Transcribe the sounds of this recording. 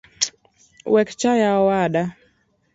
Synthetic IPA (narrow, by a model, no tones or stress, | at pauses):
wɛkt͡ʃajawaɗa